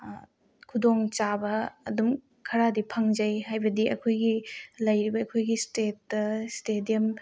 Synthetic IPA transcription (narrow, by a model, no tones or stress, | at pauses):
kʰudoŋt͡ʃabɐːdum | kʰɐɾadipʰɐŋzɐjɦajbɐdiɐ̰kʰojɡilɐjɾibɐːkʰojɡistet̚ːɐstediɐm